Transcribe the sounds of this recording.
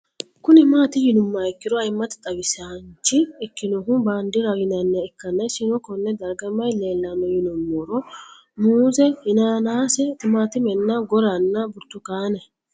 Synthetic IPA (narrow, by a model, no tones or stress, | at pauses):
kʊnɪmaːt̪ɪjɪnʊmːaɛkːɪd̪ɔɐjmːɐt̪ɪ̥t̪ʼɐbɪsant͡ʃːɪɛkːɪnɔɦʊbaːnd̪ɪɾɐɡɪnɐnːɛɛkːɐnːɐjsɪnɔkɔnːɛd̪ɐɾɡɐmːɐjleːlːɐnːɔjɪnʊmːoːɾɔ | muːzɛhɪnaːnaːsɛt̪ɪmaːt̪ɪmɛnːɐɡɔɾɐnːɐbʊɾt̪ːʊkaːnɛ